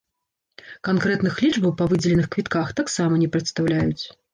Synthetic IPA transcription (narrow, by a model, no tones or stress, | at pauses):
kankɾɛt̪nɨxlʲit͡ʂbɐwpɐvɨd͡zʲɛlʲɛnɨxkvʲit̪kaxt̪aksamɐnʲɛpɾɐt̪st̪awlʲajut͡sʲ